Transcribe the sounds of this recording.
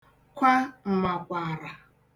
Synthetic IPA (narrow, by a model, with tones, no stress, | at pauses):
kʷa˦m̩˨ma˨kʷa˨ɾa˨